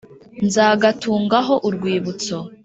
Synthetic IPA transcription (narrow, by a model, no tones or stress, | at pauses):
nzaːɡatʰuːŋɡaɦo̞ʔuɾɡwiːβut͡so